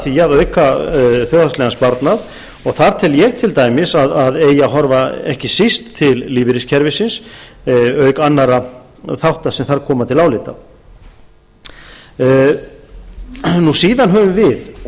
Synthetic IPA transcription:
θiaðœɥkaθjɔɣɾast̪lɛɣanspaɾt̪nað | ɔɣθaɾ̥t̪ʰɛljɛɣt̪ʰɪlt̪aːjmɪsaðaðeːjaɦɔɾvaɛhcɪsist̪ʰːɪlːiːvɪɾɪscʰɛɾvɪsɪns | œɥkanːaɾa | θawht̪asɛmθaɾkʰɔːmat̪ʰɪlawlɪt̪a̰ | nusiːðanɦœːvʏmvɪð

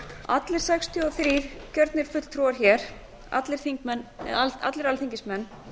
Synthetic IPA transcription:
a̰t̪lɪɾ̥sɛkst̪ʰjʏɔθɾiːcœɾt̪nɪɾ̥fʏt̪l̥t̪ʰɾuaɾ̥çɛːɾ̥ | a̰t̪lɪɾ̥θiŋkmɛna̰t̪lɪɾalθiɲcɪsmɛnː

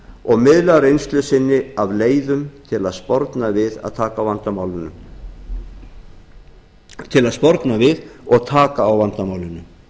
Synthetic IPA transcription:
ɔɣmɪðlaɾejnst̪lʏsɪnːɪavleːjðʏmt̪ʰɪlaðspɔɾt̪navɪða̰ð̥t̪ʰaːkavant̪amaːwlʏnʏ | t̪ʰɪlaðspɔɾt̪navɪðɔɣt̪ʰaːkaːwvant̪amaːwlʏnːʏ

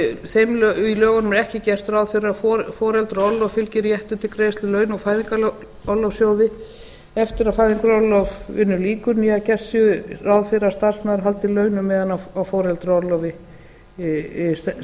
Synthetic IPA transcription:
θejmlilœːɣanmɛɾɛhcɪcɛr̥t̪raːwðfɪɾafɔɾfɔːɾɛlt̪ɾɔlːɔvfɪlcɪɾjɛht̪ʏt̪ʰɪlkɾeːjst̪lʏlœːɥnɔfaːjðiŋkal | ɔlɔvsjoːwðɪ | ɛft̪ɪɾaðfaːjðiŋkʏɾɔlɔvɪnːʏliːkʏɾniacɛr̥sʏrawðfɪɾast̪ar̥smɛðɾɦalt̪ɪilœːɥnʏmːɛːðanaawfɔːɾɛlt̪ɾɔlɔvɪ | s

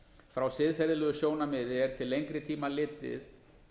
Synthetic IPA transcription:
fɾawsɪðfɛɾðɪlʏɣʏsjoːwnamɪːðɪɛɾ̥t̪ʰɪlːejŋkɾɪt̪ʰiːmalɪːt̪ːɪ̰ð

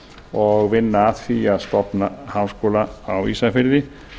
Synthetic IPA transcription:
ɔɣvɪnːaaðfiaðst̪ɔpnahawskoːlaawḭsafɪɾðɪ

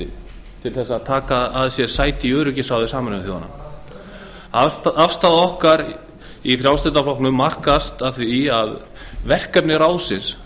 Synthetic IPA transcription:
ɪ | t̪ʰɪlθɛsːaaðt̪ʰaːkaðaðsjɛɾsaːjt̪ɪiœːɾʏcɪsaːwðʏsaːmanθoːwanːa̰ | aafst̪aːðaɔhkaɾ | ifɾjawst̪ɛt̪aflɔwhknʏmmar̥kast̪aðθiað | vɛr̥kɛpnɪɾaːwsɪns

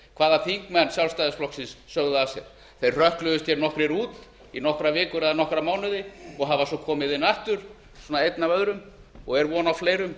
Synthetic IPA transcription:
kʰvaːðaθiŋkmɛnːsjawlst̪ajðɪsflɔhksɪnsːœɣðʏasjɛ̰ɾ̥ | θejr̥r̥œhklʏðʏst̪ʰçɛɾnɔhkɾɛɾuːt̪ | inɔhkɾavɪːkʏɾɛðanɔhkɾamaːwnʏðɪɔɣɦavasɔkʰɔːmɪðɪnaht̪ʏɾ̥ | swɔːnaejt̪navœðɾʏmɔɣɛɾvɔːnawfleːjɾʏm

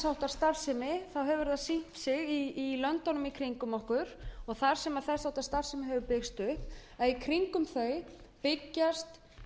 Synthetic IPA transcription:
sawht̪ḁst̪ar̥sɛmɪθawɦɛvʏɾðasin̥tsɪɣiːlœnt̪ɔnʏmikʰɾiŋkʏmɔhkʏɾ̥ɔɣθaɾ̥sɛmaðθɛ̥sawht̪ḁst̪aɾ̥sɛmɪɦɛvʏpɪxst̪ʏhpɛðikʰɾiŋkʏmθœɥpɪcːast̪

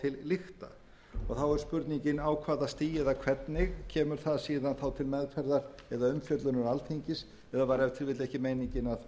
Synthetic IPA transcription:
t̪ʰɪlːɪxtt̪a̰ | ɔ̰ɣθawɛɾʏspʏɾt̪niɲcɪnaːwkʰvaːðast̪iːjɛðakʰv̥ɛt̪nɪɣcʰɛːmʏɾ̥θaðsiðanθawt̪ʰɪlmɛðkfɛɾðaɾɛðaʏmfjœt̪lʏɾnʏɾalt̪ʰejɲcɪs | ɛðavaɾɛvt̪ʰɪlvɪt̪lɛhcɪmejniɲcɪnað

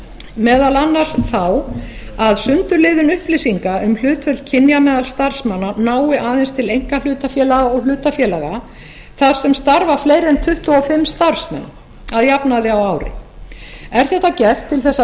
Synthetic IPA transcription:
mɛːðalanːar̥sθaw | aðsʏnt̪ʏɾlɪːðʏnʏhplɪsiŋkaʏml̥ʏːt̪fœlcʰɪnjamɛːðalst̪ar̥smanːanaːwɪʔaːðɛnst̪ʰɪlejŋ̥kal̥ʏːt̪afjɛːlaɣaɔɣl̥ʏːt̪afjɛːlaɣa | θaɾ̥sɛmst̪aɾvafleːjɾɛnt̪ʰʏht̪ʊɔfɪmːst̪aɾ̥smɛ̰n | aðjapnaðɪawaːwɾɪ̰ | ɛɾ̥θɛht̪ːacɛr̥t̪ʰːɪlθɛsːa

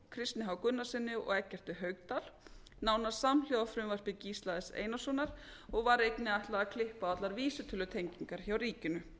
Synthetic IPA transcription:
kʰɾɪst̪nɪɦawkʏnːasɪnːɪɔ̰ɣɛcːɛr̥t̪ɪɦœːɥkt̪al | naːwnasamljowðafɾʏmvaɾ̥pɪciːst̪laðɪsḛːjnasunaɾ̥ɔɣvaɾejpnɪajht̪laɣakʰlɪhpaat̪laɾviːsʏt̪ʰʏlʏt̪ʰejɲciŋkaɾ̥çawɾiːcʏnʏ

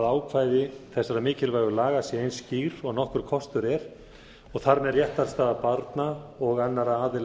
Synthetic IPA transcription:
ðaːwkʰvaːjðɪθɛsːaɾamɪːcɪlvaːjɣʏlaːɣasjɛejnsciɣɾ̥ɔɣnɔhkʏɾ̥kʰɔst̪ʏɾɛɾ̥ | ɔɣθaɾmɛðrjɛht̪aɾ̥st̪aːðapaɾt̪naɔɣanːaɾaaːðɪl

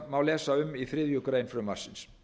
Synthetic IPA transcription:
mawlɛːsaʏmːiθɾɪːðjʏkɾaɪnfɾʏmḁsɪns

